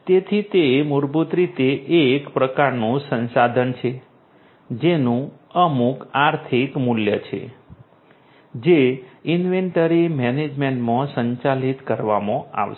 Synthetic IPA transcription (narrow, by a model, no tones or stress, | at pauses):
t̪et̪ʰit̪emuɾbut̪ɾit̪eʔːkpɾəkaɾnũsə̃nsad̪ʱənt͡ʃʰe | d͡ʒenũ | əmukaɾt̪ʰikmuljət͡ʃʰḛ | d͡ʒeinʋeɳʈəɾimɛned͡ʒmeɳʈmãsəɲt͡ʃalit̪kəɾʋamõa̰ʋʃ